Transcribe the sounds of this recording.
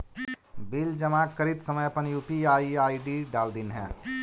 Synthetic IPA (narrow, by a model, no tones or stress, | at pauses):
bild͡ʒəmaːkːəɾit̪səməjəpənjupiaːiaːiɖiɖaːld̪inɦɛ̰̃ː